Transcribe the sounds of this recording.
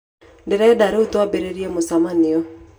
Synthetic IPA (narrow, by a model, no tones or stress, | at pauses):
ndeɾɛdaɾeotwabeɾeɾiɛmosamaneɔ